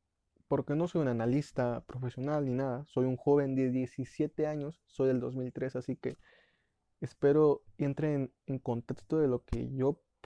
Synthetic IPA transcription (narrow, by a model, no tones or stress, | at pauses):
po̞ɾke̞no̞so̞junanalist̪apɾo̞fe̞sjo̞nalninaðasojuŋxo̞βe̞nd̪e̞ðje̞sisje̞t̪e̞aɲo̞sːo̞jðe̞ld̪o̞zmilt̪ɾe̞sasikeː | spe̞ɾo̞ent̪ɾeːn | eŋko̞nt̪e̞kst̪o̞ðe̞lo̞ke̞̰ʝo̞